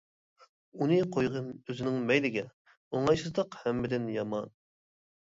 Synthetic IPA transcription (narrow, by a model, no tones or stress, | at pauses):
unɨqʰojʁəmøzɪnɪŋmɛjlɪɡʲɛ | oŋɑjsɨzd̪əqhɛmːɪd̪ɪnjɑmɑ̰n